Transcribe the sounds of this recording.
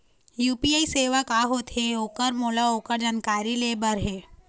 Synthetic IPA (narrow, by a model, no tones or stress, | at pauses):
juːpiaːiseːʋakaɦoːt̪ɛoːkəɾmoːlaoːkəɾd͡ʒaːnkaːɾileːbəɾɦɛː